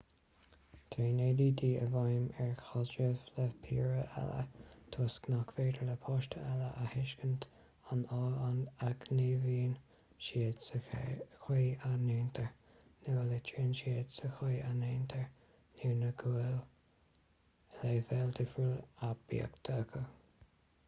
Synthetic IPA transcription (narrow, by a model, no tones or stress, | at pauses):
t̪ʰɾeːneːdiːd̪iːəvɑjmɛɹxɑd͡ʒəvləpʰḭːɹəʔɛ̰lə̰t̪ʰoːsknakveːdələpʰɑːʃtʰəɛləʔəhɪʃkənt̪ | anɑːanaɡneːviːn | ʃidsəxweːaneːnt̪ʰəɹ | nəəlɪt͡ʃʰiːnʃiədsəxeːaneːnt̪ʰəɹ | niːnəɡuɪl | leːvɛld̪ɪfulab̥ḭə̰kt̪ʰəkʰə